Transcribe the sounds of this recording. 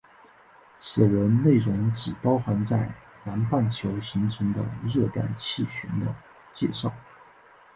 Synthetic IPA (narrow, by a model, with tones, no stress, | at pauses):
sɛ˨˩wə˧˥nne˥˩ɪɻʊ˧˥ŋʈ͡ʂɻ̩˨˩pɑ˥ʊxa˧˥nt͡sa˥˩ɪ | na˧˥npa˥˩nt͡ɕʰjo˧˥ʊɕi˧˥ŋʈ͡ʂʰɤ˧˥ŋd̪ə̰˧ɻɤ˥˧t̪a̰˥˧nt͡ɕʰi˥˩ɕy˧˥nd̪ə˧ | t͡ɕjɛ̰˥˧ʂɑ˥˩ʊ